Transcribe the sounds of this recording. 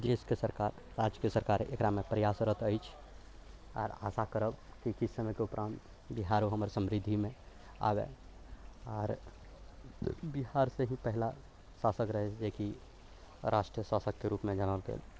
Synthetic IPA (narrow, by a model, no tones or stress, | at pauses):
d̪eːskesəɾkaɾ | ɾad͡ʒjkesəɾkaːɾḛkɾamepɾəjasɾəɦt̪ʰəjt͡ʃʰ | ɔ̰ːɾa̰sakəɾəbkikisːəmɛkeʊpɾʔãːnt̪ | biɦaɾoɦəməɾsəmɾid̪ʱːimẽ | a̰bḛ | ɔːɾ | biɦaɾseɦĩpəɦla | sasəkɾəɦɛt͡ʃd͡ʒeki | ɾʔaʃʈɾijəsasəkːeɾuːpmẽd͡ʒanalɡḛːl